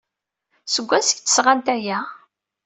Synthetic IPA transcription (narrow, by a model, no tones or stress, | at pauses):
səɡʷːæsəɡt͡s̪ːə̥sʁant̪æjæ